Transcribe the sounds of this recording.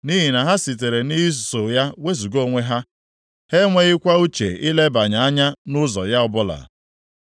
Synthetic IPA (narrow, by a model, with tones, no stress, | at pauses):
ni˦ɦi˨na˨ɦa˦si˨t̬e˨ɾe˨ni˦i˦s̬so˨ja˦we˦zu˨ɡo˦˨ŋʷe˦ɦa˦ | he˦ŋʷe˦ɣɪ˦kʷa˦u˦t͡ʃḛ˨ɪ˦le˦ba˨ɲa˨a˦ɲa˦nʊ˦zɔ̰˨ja˦ʊ˦bʊ˦la̰˨